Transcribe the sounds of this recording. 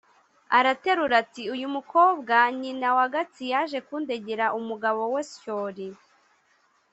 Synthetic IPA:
aɾate̞ɾuɾatiujumuko̞ːbɡaɲinawaɡat͡sijaʒe̞kuːnde̞ɟeɾaʔumuɡaβo̞wescoɾi

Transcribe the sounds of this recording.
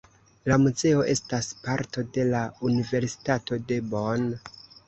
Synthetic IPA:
lamuze̞o̞ʔe̞staspaɾto̞de̞launive̞ɾsi̥tato̞de̞bon

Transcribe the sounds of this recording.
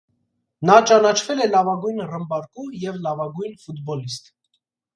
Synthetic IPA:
nɑt͡ʃɑnɑt͡ʃʰvɛlɛlɑvɑɡujnrəmbɑɾkujɛvlɑvɑɡujnfut̪bɔlist̪

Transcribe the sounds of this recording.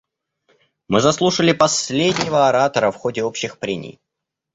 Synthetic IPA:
mɨzɐslˠuʂəlʲɪpɐsʲlʲedʲnʲɪvəɐɾat̪əɾəfxo̞dʲɪo̞pɕːɪxpɾʲenʲɪ̰j

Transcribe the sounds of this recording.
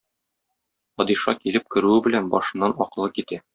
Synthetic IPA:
fɒd̪iʃɑ̰kilɘp̚kɵ̆ɾʉɘbɘ̆lænbɒ̰ʃɤ̆nːɑnɒqɤ̆lˠɤkit̪æ

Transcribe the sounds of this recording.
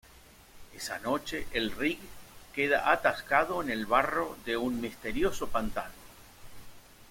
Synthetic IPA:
esa̰no̞t͡ʃe̞ʔelrikkeða̰ʔat̪askaðo̞ene̞lβaro̞ðe̞unmist̪e̞ɾjo̞so̞pant̪ano

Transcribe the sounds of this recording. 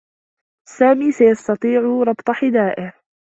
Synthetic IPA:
saːmiːsajɑst̪ɑt̪ˤiːʕʊɾˤɑbt̪ˤɑħɪd̪aːʔɪh

